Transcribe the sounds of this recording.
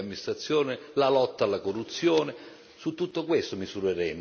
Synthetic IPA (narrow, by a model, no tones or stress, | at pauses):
amːinist̪ɾat̪sːjɔːnɪlalɔt̪ːalːakorːut̪sːjɔːnɪ | sut̪ːut̪ːokwest̪omizuɾeɾɛm